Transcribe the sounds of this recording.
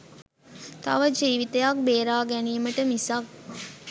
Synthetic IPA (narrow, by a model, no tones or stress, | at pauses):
t̪a̰ʋəd͡ʒiːʋit̪ejak̚beːɾaːɡæniːməʈəmisak̚